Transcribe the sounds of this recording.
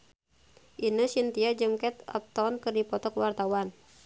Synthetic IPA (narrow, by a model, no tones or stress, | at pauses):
ʔinəsint̪iad͡ʒɨŋkɛt̪ɔ̰p̚t̪ɔnkɨrdipɔt̪ɔkwart̪awan